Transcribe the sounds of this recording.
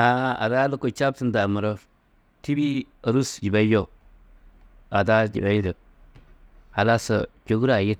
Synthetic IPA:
a˨a̰˨da˦lo˦ko˨t͡ʃa˦b̚tə˦nda˨mə˨ɾə˦ | ti˦bi˦ | a˨ɾu˦sd͡ʒi˨ba˦jo˦ | a˨da˦d͡ʒḭ˨ba˦jdə˨ | a˨la˦sə̰˨t͡ʃo˨ɡu˦ɾa˨ji˦t̚

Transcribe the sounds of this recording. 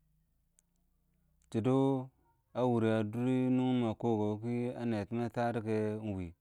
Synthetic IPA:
t͡ʃi˨do˦ | a˦wu˨ɾi˨a˨du˦ɾi˦nu˦ŋ˦ma˨ko˦˨ɡo˨˦ki˦a˦ne˨ti˦ma˦ta˦ɾi˦ke˦n˨wi˨

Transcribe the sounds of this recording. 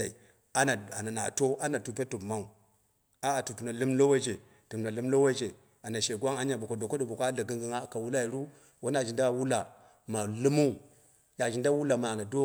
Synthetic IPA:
a˨i˨ | a˦na˨a˨na˨na̰˨to˦ʔa˦na˨tu˨p̬e˦tu˨bma˦u˨ | a˦a˨tu˨pu˨na˨lu˦mlo˦we˦d͡ʒe˨ | tu˨m˨na˨lu˦mlo˦we˦d͡ʒe˨ | a˨na˨ʃe˨ɡʷwa˦ŋa˦ɲa˨bo˨ko˨do˨ko˦ɗo˨bo˨ko˦a˦ɮa˨ɡi˦ŋɡi˦ŋa˦˨ka˨wu˦la˦i˨ɾu˦ | wo˦n˦a˨ʒi˨nda˦wu˦la˨ | ma˨lu˦mu˦˨ | ja˨ʒi˨nda˦wu˦la˨ma˨na˨do˦

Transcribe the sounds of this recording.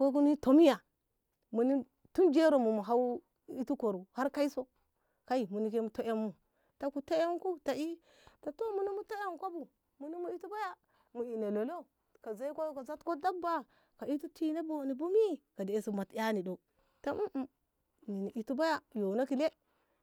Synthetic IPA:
ko˦k̬u˦ni˦to˦mi˦ja˨ | mu˨ni˦ | tu˦nd͡ʒe˦ɾo˨mu˨mu˨ɦa˦w | i˦tu˦ko˨ɾu˨ha˦ɾka˦i˦so˦ | ka˦i˨mu˨ni˨ke˦mu˨to˦ja˦mːu˨ | ta˨ku˨to˦je˦ŋku˦ta˨i˦ | ta˨to˦mu˦ni˦mu˦to˦ja˦m˨ko˦bu˨ | mu˨ni˦mu˨i˦tu˦ba˦ja˦ | mu˨i˨ne˨lo˨lo˦ | ka˨za˦i˦kʷo˦ka˨za˦tko˦da˦k̚ba˦ | ka˨i˦tu˦ti˦na˦bo˦˨ni˨bu˦mi˦ka˨de˨e˨si˨ma˨tja˦ni˨do˨ | ta˦ʔ̩˦ | ni˨ni˨ʔi˨tu˦ba˦ja˦jo˨na˦ki˨le˦

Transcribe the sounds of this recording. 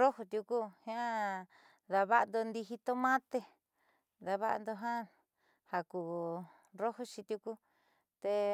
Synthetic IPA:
ro˦ho˧t̪ʲju˧ku˦hã˦˧ | ða˧βa˦˧nd̪o˧nd̪i˧ɦi˧t̪o˦mã˦t̪e˧ | ða˧βa̰˧nd̪o˧ɦã˦ | ha˨ku˧˨ | ro˦ho˧t͡ʃi˧t̪ju˧ku˦ | t̪e˧

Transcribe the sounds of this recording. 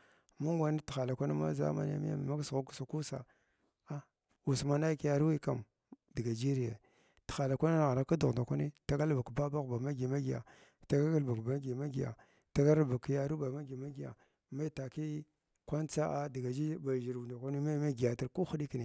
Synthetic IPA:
mu˦ŋɡʷa˦ni˦ti̥˨xa˨la˨kʷa˦ni˦ma̰˦za̰˦ma̰˨n˦a̰˦mḭ˦a̰˨m˨ma˦ksɣu˦ksa˨ku˦sa̰˨ | a˦ | u˨sma˨na˦ki˦ja˨ɾu˦wi˦ka˨m | di˨ɡa˨d͡ʒi˦ɾi˨jḛ˨ | ti̥˨xa˨la˨kʷa˦ni˦˨ɣa˨na˦ka˦du˨ɣnda˨kʷa˦ni˦ta˦ɡa˦lba˨kba˦ba˦ɣba˨ma˦ɡi˨ma˦ɡi˨ja̰˨ | ta˦ɡa˦ɡa˦lba˨kba˨˦ɡi˨ma˦ɡi˨ja̰˨ | ta˦ɡa˦ɾba˨kja˦ɾu˦ba˨ma˦ɡi˨ma˦ɡi˨a̰˨ | ma˦i˦ta˨ki˦ | kʷa˦nt͡sa˦ʔa˦di˨ɡa˨d͡ʒi˦ba˨d͡ʒi˨ɾnda˨kʷa˦ni˦ma˦ma˦ɡi˨ja˨ta˨ɾku˦xu˦ɗi˦ki˨ni˨

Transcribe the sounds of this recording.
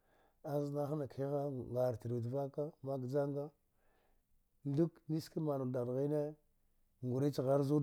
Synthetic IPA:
a˦zna˦xa˦na˨ki˦ɣa˦ɡa˨ɾti˨ɾu˨dva˦ka˦ma˦ɡd͡ʒa˦ŋɡa˦ | ndu˦kni˦ski˦ma˨nu˨da˨n˨ɣi˦ne˦ | ŋɡu˨ɾe˦t͡ʃi˨ɣa˦ɾzu˦

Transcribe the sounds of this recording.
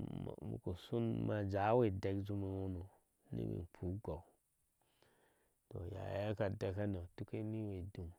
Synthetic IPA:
m˨mṵ˨ko˨su˦nma˨d͡ʒa˨˦we˨de˧ɡd͡ʒu˧mi˨wu˦no˨ | nḭ˦wḭ˨pʰu˨˦ɡa˨ | to̰˨ja̰˨˦a˦ka˨da˨ka˦na˨tu˦ke˦ni˦we˨du˨m

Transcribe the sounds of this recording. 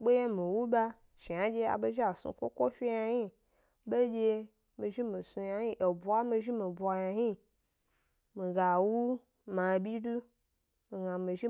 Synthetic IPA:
ɓe˦je˦mi˨wu˦ba˦ | ʃi˨a˨d͡ʒʲe˧a̰˨be˧ʒi˦a˨sṵ˧kʷo̰˦kʷo˦fʲi˦ja˧ji˦ | be˦d͡ʒʲe˧ | mi˧ʒi˦mi˨su˧ja˧ɲi˦ʔe˨bʷa˦mi˧ʒi˦mi˨bʷa˧ja˧hi˦ | mi˨ɡa˨wu˦ | ma˨bʲi˦du˦ | mi˨ɡa˨mi˨ʒi˦

